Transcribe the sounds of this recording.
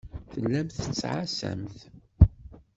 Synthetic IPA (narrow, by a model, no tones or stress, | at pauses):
θəlːæmθə̥t͡sːʕasæ̰mθ